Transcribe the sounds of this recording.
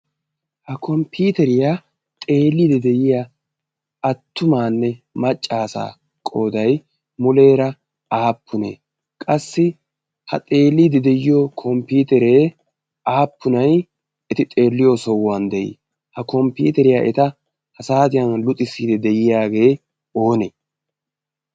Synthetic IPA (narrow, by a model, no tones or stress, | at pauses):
hɐkʰɔmpiːt̪ɛɾɪjaː | t̪ʼe̞ːlːiːd̪ɛd̪ɛjɪja | ɐt̪ːʊmaːnːɛmɐt͡ʃʼːaːsa̰ː | kʼoːd̪ɐj | mʊle̞ːɾɐ | aːpʰːʊnḛː | kʼɐsːɪ | hɐ̰t̪ʼe̞ːlːiːd̪ɛd̪ɛjɪjokʰɔmpiːt̪ɛɾeː | aːpːʊnɐj | ɛt̪ɪt̪ʼe̞ːlːɪjosɔwːɐnd̪ɛʔɪ̰ | hɐkɔmpːḭːt̪ɛɾɪja̰ʔɛt̪ɐ | hɐsaːt̪̬ɪjɐnlʊt̪ʼːɪsiːd̪ɛd̪ɛjɪjaːɡe̞ː | o̞ːneː